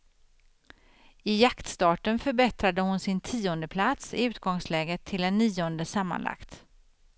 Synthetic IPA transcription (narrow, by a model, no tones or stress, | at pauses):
ɪjakt̪st̪ɑːʈənfœɾbɛt̪ɾad̪əhʊnsɪnt̪ʰiːɔnd̪əpʰlat̪sɪ̰ʉ̟ːt̪ɡɔŋslɛːɡət̪ʰːɪlɛnːiːɔnd̪əsamːa̰nla̰kt̪